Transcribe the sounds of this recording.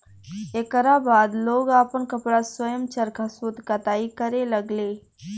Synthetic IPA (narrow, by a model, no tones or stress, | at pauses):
ekəɾabaːd̪loːɡaːpənkəpɽaswəjəmt͡ʃəɾkʰasut̪kɐt̪aːikəɾeləɡleː